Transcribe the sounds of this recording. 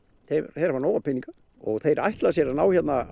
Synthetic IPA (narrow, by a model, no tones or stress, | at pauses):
θeθejɾvaɾnaːwapʰɪniŋka | ɔɣθejɾa̰jht̪lasjɛɾanaːwçɛt̪na